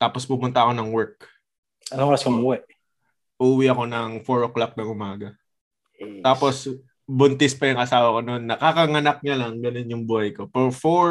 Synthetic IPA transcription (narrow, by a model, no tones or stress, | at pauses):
t̪aːpospʊmʊnt̪ɐʔɐko̞nɐŋwɛɹk̚ | ʔɐnɐŋoːɾɐskomuːwɛʔ | ʔuːwiʔɐko̞nɐŋfoɹoklak̚nɐŋʔʊmaːɡɐ | t̪aːpo̞s | bʊnt̪ɪspɐjʊŋʔɐsaːwɐko̞no̞nːɐkakɐŋɐnɐk̚ɲɐlɐŋɡɐnonjʊŋbuːhɐjko̞pɛɾfo